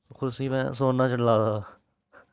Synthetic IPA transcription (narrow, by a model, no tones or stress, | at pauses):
kʰʊɾsiːmɛ̰̃ːs̬oːnnaːt͡ʃəlːaːd̪aː